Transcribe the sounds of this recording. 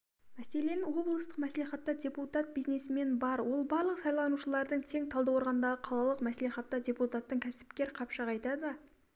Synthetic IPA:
mæse̞le̞nɪwo̞blˠəst̪ə̥qmæsliχɑt̪ːɑd̪ʲe̞put̪at̪̚bijzne̞sɪme̞nbɑɾwo̞lˠbɑɾlˠəqsɑjlˠɑnuʃəlˠɑɾd̪əɴt̪ʰe̞ŋt̪ʰɑlˠd̪ɑwo̞ɾʁɑnd̪ɑʁəqʰɑlˠɑlˠəqmæsleχɑt̪ːɑd̪ʲe̞put̪at̪ːəɴkʲʰæsɪ̥pkʲe̞ɾqʰɑpʃɑʁɑjt̪ɑd̪ə

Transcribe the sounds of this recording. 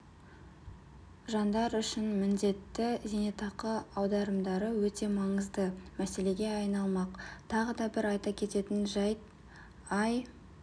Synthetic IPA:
ʒɑnd̪ɑɾʏʃɪnmɪnd̪e̞t̪ːɪzenet̪ɑqəɑwd̪ɑɾəmd̪ɑɾəwɵt̪e̞mɑɴəzd̪əmæse̞le̞ɡʲe̞ɑjnɑlˠmɑqt̪ʰɑʁəd̪ɑbɪɾɑjt̪ɑkʲʰe̞t̪e̞t̪ɪnʒæjt̪ | ɑj

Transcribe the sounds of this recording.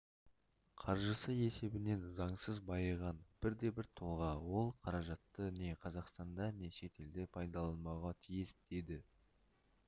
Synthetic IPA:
qʰɑɾʒəsəe̞se̞bɪne̞nzɑɴsəzbɑjəʁɑnb̥ɪɾd̪e̞bɪɾt̪ʰolˠʁɑwo̞lˠqʰɑɾɑʒɑt̪ːəne̞qʰɑzɑqst̪ɑnd̪ɑne̞ʃe̞t̪ʰe̞ld̪ɪpʰɑjd̪ɑlˠɑnmɑwʁɑt̪ʰijɪsd̪e̞d̪ɪ

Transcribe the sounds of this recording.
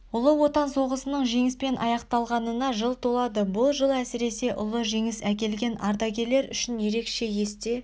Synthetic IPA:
ʊlˠəwo̞t̪ɑnso̞ʁəsənəɴʒe̞ŋɪspe̞nʔɑ̰jɑqt̪ɑlˠʁɑnənɑʒəlˠt̪ʰo̞lˠɑd̪əbʊlˠʒəlˠæsɪɾe̞se̞ʔʊ̰lˠəʒe̞ŋɪsækʲe̞lɡʲe̞nʔɑ̰ɾd̪ɑɡʲe̞le̞ɾʏ̰ʃɪnje̞ɾe̞kʃe̞je̞st̪e̞

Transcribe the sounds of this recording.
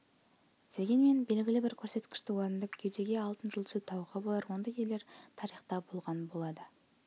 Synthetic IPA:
d̪̥e̞ɡʲe̞nme̞nbe̞lɡʲɪlɪbɪɾkʲʰɵɾse̞t̪kʲɪ̥ʃt̪ɪwoɾənd̪ɑpkʲʰewd̪e̞ɡʲe̞ɑlˠt̪ənʒʊlˠʏst̪ʰɑwʁəbolˠɑɾwo̞nd̪ɑje̞leɾt̪ʰɑɾijχt̪ɑbolˠʁɑnbo̞lˠɑd̪ə

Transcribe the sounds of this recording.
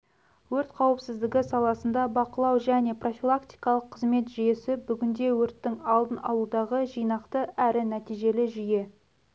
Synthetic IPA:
wɵɾt̪qʰɑwəpsɪzd̪ɪɡʲɪsɑlˠɑsənd̪ɑbɑqəlˠɑwʒæne̞pro̞filˠakt̪i̥jkɑlˠəqʰːəzme̞t̪ʒije̞sɪbʏɡʲɪnd̪e̞wɵɾt̪ːɪŋɑlˠd̪ənɑ̰lˠud̪ɑʁəʒijnɑqt̪əæɾɪnæt̪ijʒe̞lɪʒʏje̞

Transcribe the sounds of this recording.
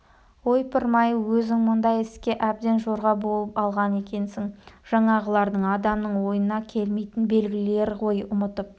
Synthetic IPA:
ojpʰɪɾmɑjəwɵzɪŋmʊnd̪ɑjɪskʲe̞ʔæb̚d̪e̞nʒo̞ɾʁɑbo̞lˠəpɑlˠʁɑne̞kʲe̞nsɪŋʒ̥ɑɴɑʁəlˠɑɾd̪əɴɑd̪ɑmnəɴwo̞jənɑkʲʰe̞lme̞jt̪ɪnbe̞lɡʲɪle̞ɾqʰo̞jʊmət̪əp̚

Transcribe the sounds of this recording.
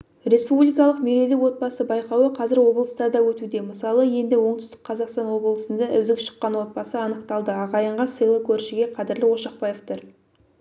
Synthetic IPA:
ɾe̞spublijkɑlˠəqmeɾe̞lɪkwo̞t̪̚bɑsəbɑjqɑwəqʰɑzɪɾwo̞bəlˠəst̪ɑɾd̪ɑwɵt̪ud̪e̞məsɑlˠəje̞nd̪ɪwo̞ɴt̪ʏst̪ɪ̥k̚qʰːɑzɑqst̪ɑnwo̞blˠəsənd̪ɑʔʏ̰zd̪ɪkʃə̥qːɑnwo̞t̪̚bɑsəɑnəqt̪ɑlˠd̪əɑʁɑjəɴʁɑsɨjlˠəkʲʰɵɾʃɪɡʲe̞qʰɑd̪ɪɾlɪwo̞ʃɑqpɑje̞ft̪ɪɾ

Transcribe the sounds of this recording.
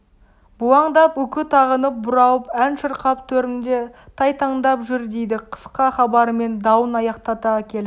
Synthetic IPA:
buɑɴd̪ɑpɵkʲɪt̪ʰɑʁənəp̚bʊɾɑwəpænʃəɾqɑpt̪ʰɵɾɪnd̪et̪ʰɑjt̪ʰɑɴd̪ɑpʒʏɾd̪e̞jd̪ɪqʰə̥sqɑχɑbɑɾəme̞nd̪ɑwənɑjɑqt̪ɑt̪ɑkʲʰe̞lɪ

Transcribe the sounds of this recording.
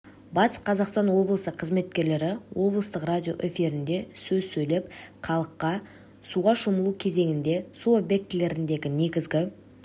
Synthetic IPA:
bɑt̪ə̥sqʰɑzɑqst̪ɑnwo̞blˠəsəqʰəzme̞t̪̚kʲe̞ɾle̞ɾɪwo̞blˠəst̪əqradʲijo̞ʔe̞fʲiɾɪnd̪e̞sɵzsɵjle̞pqʰɑlˠəqːɑ | suʁɑʃoməlˠukʲʰe̞ze̞ŋɪnd̪e̞suobʲe̞k̚t̪ɪle̞ɾɪnd̪e̞ɡʲɪne̞ɡʲɪzɡʲɪ

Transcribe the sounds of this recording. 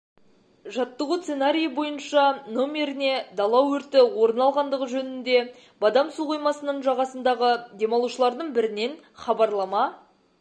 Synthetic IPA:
ʒɑt̪ːəʁut̪senaɾʲijəbo̞jənʃɑno̞mʲe̞ɾɪne̞d̪ɑlˠɑwɵɾt̪ɪwo̞ɾənɑlˠʁɑnd̪əʁəʒɵnɪnd̪e̞ | bɑd̪ɑmsuʁojmɑsənəɴʒɑʁɑsənd̪ɑʁəd̪e̞mɑlˠuʃəlˠɑɾd̪əɴbɪɾɪne̞n | χɑbɑɾlˠɑmɑ

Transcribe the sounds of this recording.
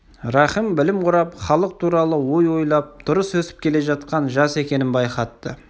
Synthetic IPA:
ɾɑχəmbɪlɪmqʊɾɑpχɑlˠəq̚t̪ʰuɾɑlˠəwo̞jwo̞jlˠɑp̚d̪̥ʊɾəswɵsɪ̥p̚kʲʰe̞le̞ʒɑt̪̚qɑnʒɑse̞kʲe̞nɪnbɑjqɑt̪ːə

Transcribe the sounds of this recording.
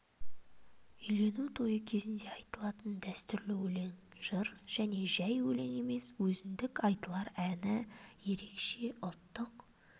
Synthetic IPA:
ʏjle̞nuwt̪ʰo̞jəkʲʰe̞zɪnd̪e̞ɑjt̪əlˠɑt̪ənd̪æst̪ʏɾlɪwɵle̞n | ʒ̥əɾʒ̥æne̞ʒæjwɵle̞ne̞me̞swɵzɪnd̪ɪkɑjt̪əlˠɑɾænɪje̞ɾe̞kʃe̞ʔʊt̪ːəq

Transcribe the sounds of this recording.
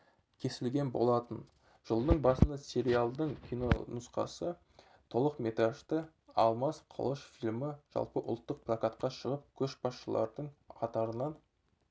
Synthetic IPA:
kʲʰe̞sɪlɡʲe̞nbo̞̰lˠɑt̪ən | ʒ̥əlˠd̪əɴbɑsənd̪ɑsʲe̞ɾʲialˠd̪əɴkʲʰino̞̰nʊsqɑ̰sə | t̪ʰo̞lˠəqme̞t̪ɾaʒt̪ə | ɑlˠmɑsqʰə̰lˠəʃfilʲməʒ̥ɑ̰lˠpəʔʊ̰lˠt̪ːəq̚plˠakat̪qɑʃəʁəp̚kʲʰɵʃbɑsʃəlˠɑ̰ɾd̪əɴqʰɑt̪ɑɾənɑn

